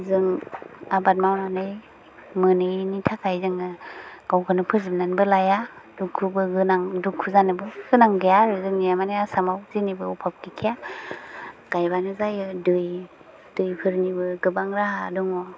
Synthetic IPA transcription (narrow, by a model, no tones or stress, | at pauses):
zɯŋabat̚mawnanɯj | mɯnɯnitʰakʰajzɯŋɯɡ̥awkʰɯnɯpʰɯzip̚nanbɯlajadukʰːubɯɡɯnaŋdukʰːuzanɯbɯɡɯnaŋɡejaɾɯzɯŋnijamanɯjasamawzinibɯupʰap̚kikʰija | ɡ̥ajbanɯzajɯdɯj | d̥ɯjpʰɯɾnibɯɡɯbaŋɾaɦadɔŋɔ